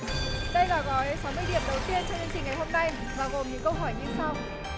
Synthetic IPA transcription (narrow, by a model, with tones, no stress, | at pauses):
ɗə˧jlaː˨˩ɣɔ˨˦jsa˨˦wmɨ˧əjɗi˨˧˩əmɗə˨˩wt̪i˧ənt͡ɕɔ˧wŋ͡mɲɨ˧ŋt͡ɕï˨˩ŋ̟ŋa˨˩jho˧mna˧j | vaː˨˩ɣo˨˩mɲɨ̰˧˦ŋkə˧wɦɔ˧˩jɲɨ˧sa˧w